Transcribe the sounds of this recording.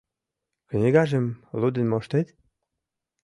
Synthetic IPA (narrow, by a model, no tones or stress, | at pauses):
knʲeɣɑʒemlud̪ə̆nmoʃt̪et̪